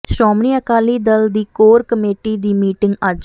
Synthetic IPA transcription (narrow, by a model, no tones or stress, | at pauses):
ʃɾɔːmniːəkaːliːd̪əld̪iːkoːɾkəmeːʈiːd̪iːmiːʈɪŋɡad͡ʒ